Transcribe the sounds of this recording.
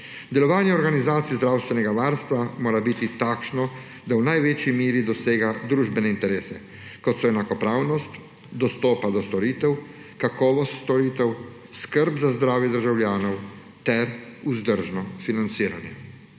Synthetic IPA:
d̪ɛlɔʋaːnjɛɔɾɡanizaːt̪sizd̪ɾaːwst̪ʋɛnɛɡaʋaːɾst̪ʋamoːɾabit̪it̪aːkʃnɔ | d̪awnajʋeːt͡ʃjimiːɾid̪ɔseːɡad̪ɾuːʒbɛnɛint̪ɛɾeːsɛ | kɔt̪sɔɛnakɔpɾaːwnɔst̪ | d̪ɔst̪ɔːpad̪ɔst̪ɔɾiːt̪ɛw | kakɔːʋɔst̪st̪ɔɾiːt̪ɛw | skəɾbzazd̪ɾaːwjɛd̪əɾʒawljaːnɔw | t̪ɛɾuzd̪əɾʒnɔfinant̪siːɾa̰njɛ̰

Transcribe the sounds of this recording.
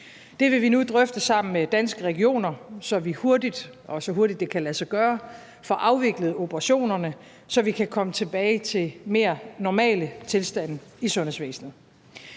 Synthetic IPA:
d̥e̝ʋe̝ʋinud̥ʁœfd̥əsɑ̈m̰n̩med̥ænsɡ̥əʁɛɡ̥io̝̰ːnɐsɒ̽ʋiho̝ɐdid̥ʔɒ̽sɒ̽ɦo̝ɐd̥id̥ːe̝kʰælæsɑɡ̥ɶːɐ | fɒ̽ʔɑ̈ʊʋe̝ɡ̥ləð̞̩ˠo̝b̥əʁɑ̈ɕo̝̰ːnɐnə | sɒ̽ʋikʰækʰɒ̽mət͡sʰe̝b̥ɛːɪt͡sʰe̝lme̝ːɐnɒmɛ̰ːlət͡sʰe̝lsd̥æn̰isɔ̽nəsʋḛːsn̩ð̩ˠ

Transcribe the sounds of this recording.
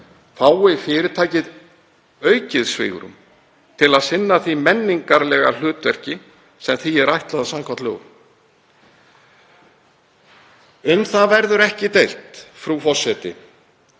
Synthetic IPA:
faːwɪfɪːɾɪt̪ʰaːjcɪð | œːɥcɪðsvɪ̰ːɣʏ̰ɾʏ̰m | t̪ʰɪlaðsɪnːaθimɛnːiŋkaɾlɛɣa̰l̥ʏːt̪vɛr̥cɪ | sɛmθiɛɾajht̪laðsaŋkʰat̪lʏ̰ɣ | ʏnθavɛɾðʏɾɛhcɪt̪ejl̥t̪fɾufɔr̥sɛt̪ɪ̰

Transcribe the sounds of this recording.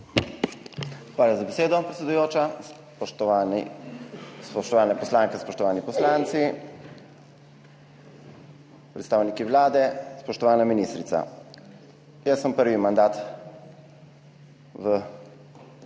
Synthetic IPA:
xʋaːljazabɛseːd̪ɔpɾɛt̪sɛd̪ujoːt͡ʃa | spɔʃt̪ɔʋaːnɛpɔslaːŋkɛspɔʃt̪ɔʋaːnipɔslant̪si | pɾɛt̪st̪aːwnikiʋlaːd̪ɛspɔʃt̪ɔʋaːnaminist̪ɾit̪sa̰ | jəsːəmpəɾʋimand̪aːt̪ | ʋə

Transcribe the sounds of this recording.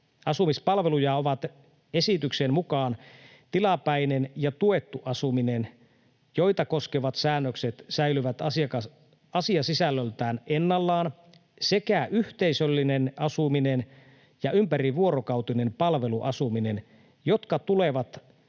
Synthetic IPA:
ɑsumispɑlʋe̞lujɑoʋɑt̪ | esit̪yksenmukɑːn | t̪ilɑpæinenjɑt̪ue̞t̪ːuʔɑsuminen | joit̪ɑko̞skeʋɑt̪sæːnːøkset̪sæilyʋæt̪ɑsiɑkɑ | ɑsiɑsisælːølt̪æːnenːɑlːɑːn | se̞kæʔyht̪eisølːinenɑsuminen | jɑympæɾiʋuo̞ɾokɑwt̪ine̞mpɑlʋe̞luʔɑsuminen | jo̞t̪kɑt̪uleʋɑt̪

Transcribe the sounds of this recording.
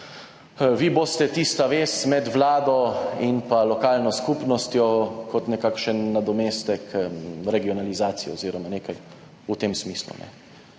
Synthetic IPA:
ʋiboːst̪ɛt̪ist̪aʋeːsmɛd̪ʋlaːd̪ɔinpalɔkaːlnɔskupnɔst̪jɔkɔt̪nɛkakʃənːad̪ɔmeːst̪ɛkʰɾɛɡiɔnalizaːt̪sijɛ̰oziːɾɔmaneːkaj | ut̪emsmislṵnɛ̰

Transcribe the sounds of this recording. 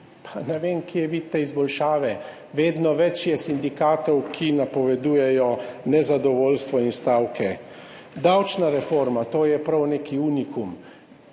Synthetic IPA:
pʰanɛʋeːmkiɛʋit̪ːɛizbɔlʃaːʋɛ | ʋeːd̪nɔʋɛt͡ʃjɛsind̪ikaːt̪ɔwkʰinapɔʋɛd̪uːjɛjɔnɛzad̪ɔʋoːlst̪ʋɔinst̪awkʰɛ | d̪awt͡ʃnaɾɛfoːɾmat̪oːjɛpɾawneːkiuːnikum

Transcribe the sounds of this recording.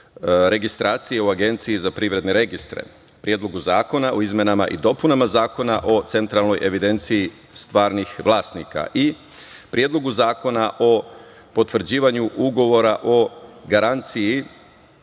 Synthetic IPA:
ɾe̞ɡist̪ɾaːt̪sije̞uaɡe̞nt̪sijizapɾiʋɾe̞d̪ne̞ɾe̞ɡist̪ɾḛ | pɾije̞ːd̪lo̞ɡuzaːko̞naʔoizme̞nama̰ʔḭd̪o̞punamazaːko̞naʔo̞t̪se̞nt̪ɾalˠno̞jʔe̞ʋid̪e̞nt̪siji | st̪ʋaːɾnixʋlˠaːsnika̰ʔi | pɾijed̪lo̞ɡuzaːko̞naʔo̞ | po̞t̪ʋrɾ̩d͡ʑiːʋaɲuʔuɡo̞ʋo̞ɾaʔo̞ɡaɾant̪siji

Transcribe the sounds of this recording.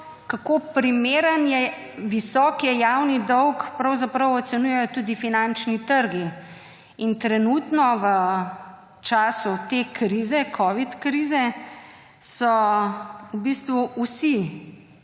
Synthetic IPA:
kakopɾimeːɾənjɛ | ʋisɔːkjɛjawnid̪ɔwkpɾɐwzapɾɐwɔt̪sɛnuːjɛjɔt̪uːd̪ifinant͡ʃnit̪əɾɡi | int̪ɾɛnuːt̪nɔʋə | t͡ʃaːsut̪ekɾizɛkʰɔːʋit̪kɾiːzɛ | sɔ | ubist̪ʋuusi

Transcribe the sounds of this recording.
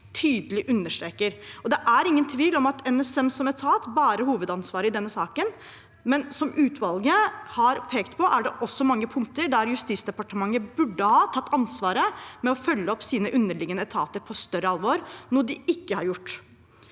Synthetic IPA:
t̪ʰyːd̪əlɪʔʉnːəʂʈ̪ɾeːkəɾɔd̪ɛʔæɾɪŋːənt̪ʰʋiːlɔmɑt̪ɛnɛsɛmsɔmɛt̪ʰɑːt̪bɑːɾəhuːʋəd̪ɑnsʋɑːɾəɪd̪ɛnːəsɑːkən | mɛnsɔmʔʉːt̪ʰʋɑlɡəhɑɾpʰeːkt̪pʰɔʔæɖɛʔɔsːɔmɑŋːəpʰʊŋk̚t̪əɾɖ̪æɾjʉst̪iːsd̪ɛpɑʈəmɑŋːəbʉɖːəhɑːt̪ʰɑt̪ːɑnsʋɑːɾəmɛɔfœlːəɔpsiːnəʔʉnːəɭɪɡənəɛt̪ʰɑ̰ːt̪əɾpʰɔst̪œɾəɑlʋoːɾnɔd̪ɪɪkːəhɑɾjʊʈː

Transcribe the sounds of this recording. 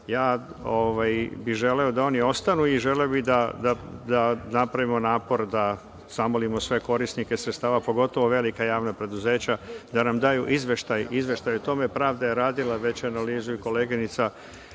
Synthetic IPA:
jaː | oʋajbiʒe̞le̞od̪ao̞nio̞st̪anuiʒe̞leobid̪ad̪ad̪anapɾaʋimo̞naːpo̞ɾd̪a | z̥amolimo̞sʋe̞ko̞ɾisnikesɾet̪st̪aːʋapo̞ɡo̞t̪o̞ʋo̞ʋe̞likajaːʋnapɾe̞d̪uze̞ːt͡ɕad̪anamd̪ajuʔizʋe̞ʃt̪ajizʋe̞ʃt̪ajut̪o̞me̞pɾaːʋd̪ajeɾaːd̪ilaʋe̞t͡ɕanaliːzuiko̞leːɡinit̪sa

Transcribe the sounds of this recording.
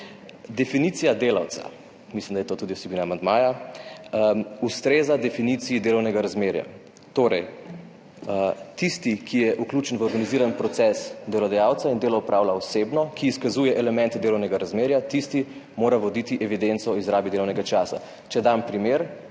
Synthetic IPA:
d̪ɛfinit̪sijad̪eːla̰wt̪sḁ̰ | mislimd̪ajɛt̪oːt̪uːd̪iwsɛbiːnaːmand̪maːja | ust̪ɾeːzad̪ɛfinit̪sijid̪eːlɔwnɛɡaɾazmeːɾja̰ | t̪oːɾɛj | t̪ist̪ikʰijɛʔukluːt͡ʃɛnʋəɔɾɡaniziːɾanpɾɔt̪sɛsd̪ɛlɔd̪ajawt̪saind̪elɔupɾʔaːwlaɔsebnɔkʰiːskazuːjɛʔɛlɛmɛ̃nt̪ɛd̪eːlɔwnɛɡaɾazmeːɾjat̪ist̪i | moːɾaʋɔd̪it̪iʔɛʋid̪ent̪sɔizɾaːbid̪elɔwnɛɡat͡ʃaːsa̰ | t͡ʃɛd̪ampɾimeɾ

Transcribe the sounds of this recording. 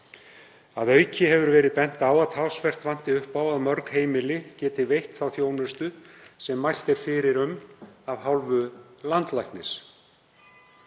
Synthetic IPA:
aðœːɥcɪɦɛvʏɾvɛːɾɪðpɛn̥t̪aːwaðt̪ʰawsvɛr̥t̪van̥t̪ɪʏhpawaðmœɾkheːjmɪlɪcɛːt̪ɪvejht̪θawθjoːwnʏst̪ʏsɛmːajl̥t̪ɛɾ̥fɪɾɪɾʏmavɦawlvʏlant̪lajhknɪs

